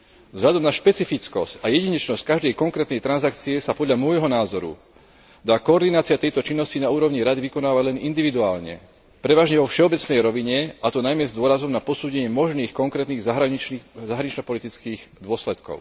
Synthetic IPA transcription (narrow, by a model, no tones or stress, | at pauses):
vzɦʎad̪ɔmnaʃpɛt͡sifit͡skɔscajɛɟiɲɛt͡ʃnɔsckaʒd̪ɛjkɔŋkɾɛːt̪nɛjt̪ɾanzakt͡siɛsapɔd̪ʎamɔjɦɔnaːzɔɾṵ | d̪aːkɔːɾd̪inaːt͡siat̪ɛjt̪ɔt͡ʃinːɔscinauːɾɔʊɲiɾad̪iʋikɔnaːʋaɟlɛnind̪iʋid̪uaːlɲɛ̰ | pɾɛʋaːʒɲɛʋɔfʃɛɔbɛt͡snɛjɾɔʋiɲɛat̪ɔnajmɛzd̪ʊɔɾazɔmnapɔsuːɟɛɲɪɛmɔʒniːxkɔŋkɾɛt̪niːɣzaɦɾazaɦɾaɲit͡ʃnɔpɔlit̪it͡skiːɣd̪ʊɔslɛt̪kɔ̰ʊ